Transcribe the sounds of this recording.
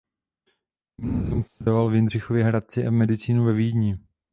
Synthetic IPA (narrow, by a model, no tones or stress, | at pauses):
mnumslɛdovalvjɪnr̝ɪxovjɛɦɾat̪̚t͡sɪʔavmɛdɪt͡siːnuvɛviːdɲɪ